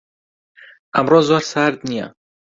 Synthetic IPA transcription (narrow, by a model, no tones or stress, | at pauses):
ʔəmroːzoːɾsaɾd̪nija̰